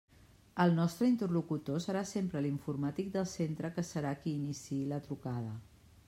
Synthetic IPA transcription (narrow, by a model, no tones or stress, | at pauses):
əlˠnɔst̪ɾəint̪ərlukut̪osəɾasempɾəliɱfurmat̪ik̚d̪əlˠsent̪ɾəkəsəɾakiːnisilət̪ɾukað̞ə